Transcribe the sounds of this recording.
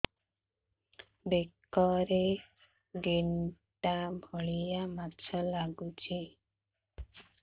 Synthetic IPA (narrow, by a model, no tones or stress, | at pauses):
bekɔɾe | ɡiɳʈabʱɔɭijamat͡ʃʰalaɡut͡ʃʰi